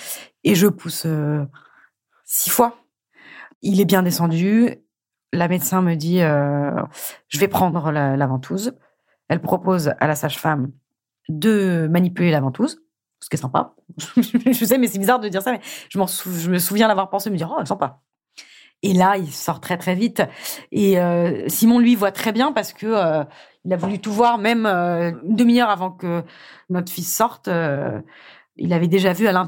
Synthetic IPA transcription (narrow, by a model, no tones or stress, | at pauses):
eʒəpʰusø | sifwa | ilɛbjɛ̃d̪esɑ̃d̪y | ləmɛt̪sɛ̃məd̪iø | ʒ̥əvɛpχɑ̃d̪ʁləlavɑ̃t̪ʰuz | ɛlpχɔpoza̰lasaʒfam | d̪əmanipylelavɑ̃t̪uz | sə̥kɛsɛ̃pa̰ | ʒsɛmɛsɛbizaʁd̪əd̪iʁsamɛʒəmɑ̃suʒəməsuvjɛ̃d̪avwaʁpɑ̃sed̪məd̪iʁoɛlsɑ̃pa | elailsɔʁt̪χɛt̪χɛvit̪eøsimɔ̃lɥivwat̪χɛbjɛ̃paʁsə̥kəø | ilavulyt̪uvwaʁmɛmøynd̪əmiœʁavɑ̃kənɔt̪χfisɔʁt̪ø | ḭlavɛd̪eʒavyalɛ̃